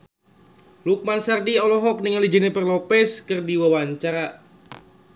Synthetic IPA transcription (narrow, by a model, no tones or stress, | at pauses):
luk̚mansardiɔlɔɦɔk̚niŋalid͡ʒənɛpərlɔpɛskɨrdiwawaɲt͡ʃaɾa